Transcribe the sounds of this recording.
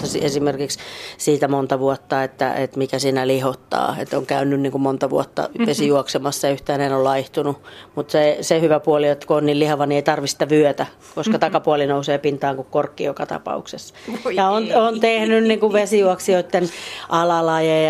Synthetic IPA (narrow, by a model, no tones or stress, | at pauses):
ɑsiesimerkikssiːt̪æmont̪ɑʋuɔt̪ːɑet̪ːæ̰ḛt̪mikæsiːnælihot̪ːɑ̰ːḛt̪ːoŋkæynːynniːŋkummont̪ɑʋṵɔt̪ːɑ̰ʋesijuɔksemɑsːɑjyht̪æːnenollɑiht̪unumut̪sesehyʋæpuɔliot̪ːkuonniːllihɑʋɑnieit̪ɑrʋisi̥t̪æʋyøt̪æ | koskɑt̪ɑkɑpuɑlinouseːpint̪ɑːŋkukkorkːiokɑt̪ɑ̰pɑ̰uksesjɑonont̪ehnynniŋkuʋʋesijuɔksioit̪ːenʔɑlɑlɑje